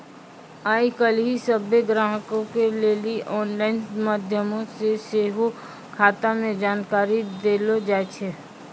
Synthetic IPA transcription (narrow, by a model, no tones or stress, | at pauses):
aːikəlɦisəbeɡɾaːɦəkõkeleːliʔɔːnlaːɪnmaːd̪ʱjəmõseseːɦo | kʰaːt̪amẽd͡ʒaːnkaːɾid̪eːlod͡ʒaːt͡ʃʰe